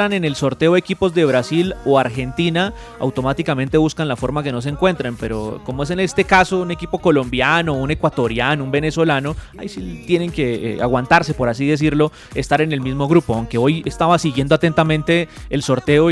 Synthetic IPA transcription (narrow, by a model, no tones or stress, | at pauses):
ɾane̞ne̞lso̞ɾt̪e̞oekipo̞zd̪e̞β̞ɾasilo̞aɾxe̞nt̪ina | a̰wt̪o̞mat̪ikamẽnt̪e̞βuskanlafo̞ɾmake̞nos̬eŋkwe̞nt̪ɾempe̞ɾo̞̰komo̞es̬e̞ne̞st̪e̞kaso̞une̞kipo̞ko̞lo̞mbjano̞une̞kwat̪o̞ɾjanoumbe̞ne̞so̞lano̞ | a̰jsit̪jene̞ŋke̞a̰ɣwant̪aɾse̞po̞ɾas̬iðe̞s̬iɾlo̞ | est̪aɾe̞ne̞lmizmo̞ɣɾupoawŋke̞o̞jest̪aβasiɣje̞nd̪o̞at̪e̞nt̪amẽ̞nt̪e̞ːlso̞ɾt̪e̞o